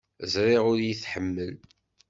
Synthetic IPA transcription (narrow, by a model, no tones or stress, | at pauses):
əzɾiʁʊɾjiθħəmːəl